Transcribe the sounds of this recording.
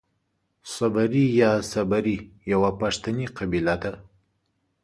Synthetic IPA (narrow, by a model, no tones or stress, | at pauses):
sabaɾijɑsabaɾijawapaʂt̪aniqabilad̪a